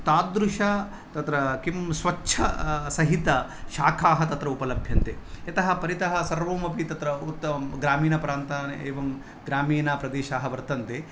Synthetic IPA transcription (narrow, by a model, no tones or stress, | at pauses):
t̪aːd̪ɾuʃaː | t̪ɐt̪ɾɐkimsʋɐt͡ʃːʃʰɐ̰sɐɦit̪ɐ | ʃaːkʰaːɦɐt̪ɐt̪ɾɐupɐlɐbʱjɐnt̪eɐt̪ɐɦɐpɐɾit̪ɐɦɐ̆sɐɾʋoːmɐpit̪ɐt̪ɾɐut̪ːɐɡɾaːmiːnɐpɾaːnt̪aːneːʋɐm | ɡɾaːmiːnaːpɾɐd̪eːʃaːɦɐʋɐɾt̪ɐnt̪eː